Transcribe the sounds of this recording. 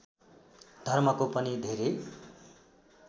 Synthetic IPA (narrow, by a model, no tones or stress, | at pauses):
d̪ʱʌrmʌkopʌnid̪ʱeɾej